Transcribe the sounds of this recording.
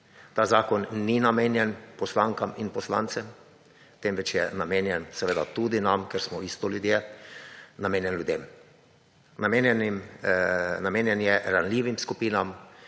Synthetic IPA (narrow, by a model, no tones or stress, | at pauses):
t̪aːzaːkɔnːinameːnjɛnpɔslaŋkaminpɔsla̰ːnt̪sɛm | t̪emʋɛt͡ʃjɛnameːnjɛnsɛʋeːd̪at̪ud̪inamkɛɾsmɔist̪ɔljud̪je | nameːnjɛnljud̪eːm | namenjɛnim | nameːnjɛnjɛɾanliːʋimskupiːnam